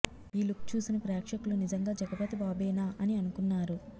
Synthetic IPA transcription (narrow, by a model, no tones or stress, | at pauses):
iːlukt͡ʃuːsinɐpɾɛːkʂɐkulunid͡ʒɐŋɡaːd͡ʒɐɡɐpɐt̪ibaːbɛːnaːʔɐniɐnukunːaːɾu